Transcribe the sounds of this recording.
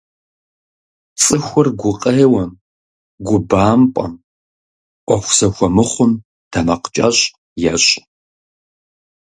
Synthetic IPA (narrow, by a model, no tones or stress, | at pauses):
t͡sʼɨxʷʊrɡʷʊqʼɐːwɐm | ɡʷʊbaːmpʼɐ̰m | ʔʷɔxʷsɐxʷɔmɨχʷʊm | d̥ʰɐmɐqt͡ʃʼa̰ɕʼ | jɛɕʼ